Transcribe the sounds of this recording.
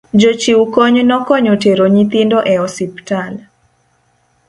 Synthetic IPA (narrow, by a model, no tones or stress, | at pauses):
d͡ʒot͡ʃiukoɲnɔkɔɲɔteɾoɲit̪indɔʔɛɔsiptal